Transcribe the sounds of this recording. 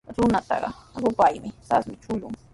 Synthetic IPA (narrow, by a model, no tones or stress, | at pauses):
ɾʊnat̪ɑ̰ɢɑɾʊpajmɪt̪asmɪt͡ʃʊʎʊŋ